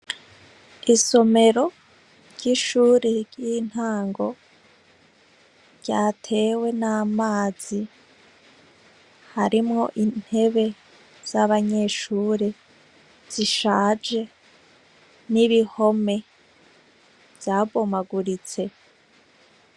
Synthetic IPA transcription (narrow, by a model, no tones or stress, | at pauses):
iso̞me̞ɾo̞ | ɾɟiʃuːɾiɾjin̥haːŋɡo̞ | ɾɟaːtʰe̞ːwe̞naːmaːz̥i | haɾimŋo̞ʔin̥he̞βe̞ | z̥aβaɲe̞ːʃuːɾe | z̥iʃaːd͡ʒe̞ | niβiho̞me̞ | v̥jaːβomaɡuɾit͡se̞